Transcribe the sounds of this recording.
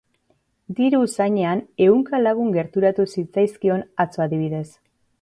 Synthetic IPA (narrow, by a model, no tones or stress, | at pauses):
d̪iɾusaɲe̞ane̞uŋkalaɣ̞uŋɡe̞ɾt̪uɾat̪usit͡sajskio̞nat͡soaðiβ̞iðe̞s